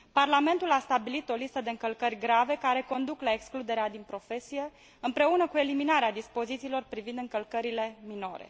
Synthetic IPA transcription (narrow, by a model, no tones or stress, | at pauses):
parlame̞nt̪ulast̪abilit̪o̞list̪əd̪e̞ɨŋkəlkərʲɡɾave̞kaɾe̞ko̞nd̪uklae̞ksklud̪e̞ɾead̪inpɾo̞fe̞sije̞ | ɨmpɾe̞unəkue̞liminaɾead̪ispo̞zit̪siːlo̞rpɾivind̪ɨŋkəlkəɾile̞mino̞ɾe̞̰